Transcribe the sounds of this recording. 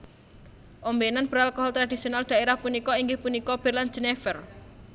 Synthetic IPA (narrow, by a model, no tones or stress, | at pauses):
ʔombenanb̥əɾalkɔɦɔlt̪ɾad̪̥isionald̪̥a̤eɾahpunikɔiŋɡɪhpunikɔb̥ərland͡ʒ̥ənefər